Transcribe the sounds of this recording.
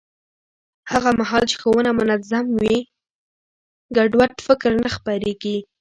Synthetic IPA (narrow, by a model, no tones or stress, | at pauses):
haɣamaɦɑlt͡ʃɪ̥xowənamʊnazamwi | ɡaɖwaʈfɪkɾnaxpaɾeɡi